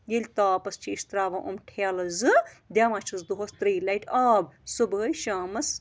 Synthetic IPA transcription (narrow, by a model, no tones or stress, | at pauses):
jelʲt̪aːpɐst͡ʃʰiist̪ɾaːʋɐʔumʈʰaːlɐzɨd̪ʲaːmɐt͡ʃʰɐzd̪uɦost̪ɾiːlajʈʰaːbsubəːjʃaːmɐs